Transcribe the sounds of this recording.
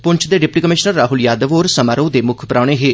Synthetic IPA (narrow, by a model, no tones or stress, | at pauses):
pʊɲt͡ʃʰd̪eːɖɪpʈiːkəmɪʃnəɾːaːɦʊljaːd̪əʋoːɾsəmaːɾoːd̪eːmʊkʰpɾaːɽ̃eːɦeː